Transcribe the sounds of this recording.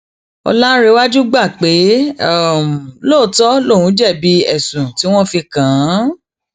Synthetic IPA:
ɔ̰˧lã˦ɾe˧wa˦d͡ʒu˦ɡ͡ba˦˨k͡pe˨˦a˦˨m˨lo˦˨˦tɔ˦lo˦˨wũ˨˦d͡ʒɛ˦˨bi˧˦ɛ˦˨sũ˨ti˨˦w̃ɔ̃˦fi˧kã˨˦

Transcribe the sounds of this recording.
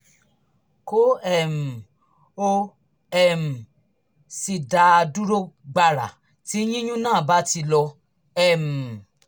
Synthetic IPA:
ko˦ɛ˦˨m̩˨ | o˧ | ɛ˨m̩˨ | si˨da˧a˧du˦ɾo˦ɡ͡ba˧ɾa̰˨ | ti˨˦j̃ĩ˦jũ˦nãː˦˨ba˨˦ti˧lɔ˧ | ɛ˨m̩˨

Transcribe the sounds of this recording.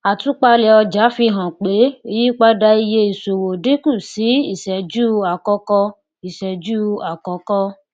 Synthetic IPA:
a˨tũ˨˦k͡pa˧lɛ˧ɔ˧d͡ʒa˨˦fi˧ɦã˨k͡pe˨˦o˧ji˦k͡pa˦da˧i˧je˧˦i˨so˨wo˨di˦ku˦˨si˨˦i˦˨ʃɛ˨d͡ʒuː˦a˨kɔ˧kɔ˧ | i˨ʃɛ˨d͡ʒuː˦a˨kɔ˧˦kɔ˧

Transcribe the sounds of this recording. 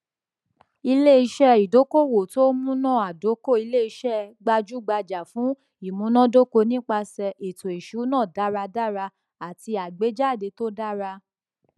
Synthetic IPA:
i˧le˦i˧ʃɛ˦i˨do˨˦ko˦˨wo˨to˦mũ˦nã˦˨a˨do˨˦ko˦˨i˧le˦i˧ʃɛ˦ɡ͡ba˧d͡ʒu˦ɡ͡ba˧d͡ʒa˨fũ˨˦ | i˦˨mũ˨˦nã˦do˦ko˧nĩ˦k͡pa˧sɛ˧e˨to˨e˨ʃu˨˦nã˦˨da˨˦ɾa˧da˦ɾa˧ | a˨ti˧a˨ɡ͡be˨˦d͡ʒa˦˨de˧to˦da˦ɾa˧

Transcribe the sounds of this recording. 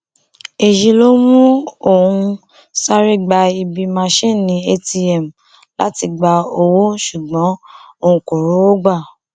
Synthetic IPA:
e˨ji˧lo˦mũ˦o˦˨ũ˧ | sa˦ɾi˦ɡ͡ba˧i˧bi˧mã˧ʃĩ˦˨nĩ˨˦e˦ti˧ɛ˦˨m˨ | la˨˦ti˧ɡ͡ba˧o˧wo˦ʃu˨ɡ͡bɔ̃˨˦o˦˧˨ũ˧ko˨ɾo˨˦wo˦ɡ͡ba˦˨

